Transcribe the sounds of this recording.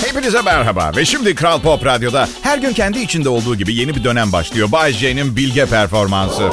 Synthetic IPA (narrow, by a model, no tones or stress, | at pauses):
hejpinizamæɾɦaba̰vɛʃimd̪ikɾalˠpʰopɾad̪jo̞d̪ahæɾɟyncʰɛnd̪iːt͡ʃʰind̪ɛo̞lˠd̪uːɟibije̞nibid̪ø̞næmba̰ʃlˠɯjo̞bazd͡ʒejninbilʲɟɛpʰæɾfo̞ɾmansɯ